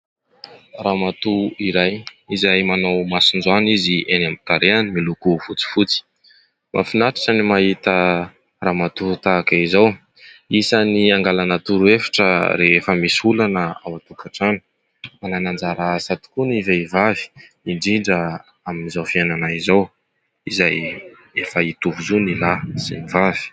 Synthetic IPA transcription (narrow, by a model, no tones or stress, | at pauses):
raːmat̪uiɾajizajmanawmasind͡zaniziʔenamit̪aɾeanimilukufut͡si̥fut͡si̥ | ma̰finaʈ͡ʂḁʈ͡ʂanimaɦit̪ə | ramat̪ut̪akaizaw | isaniaŋɡalanət̪uɾuefḁʈ͡ʂəɾeefəmisulanəawat̪ukaʈ͡ʂani̥ | mananand͡zaɾasat̪u̥kunivaivavi̥ | iɳɖ͡ʐiɳɖ͡ʐə | aminizawfiananaizaw | izaj | efəit̪uvuzunilaz̥ḛnivavi̥